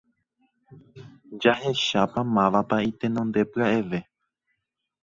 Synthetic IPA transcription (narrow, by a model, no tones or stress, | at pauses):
d͡ʒahe̞ʃapamãʋapait̪e̞nõ̞nd̪e̞pɨaeʋe̞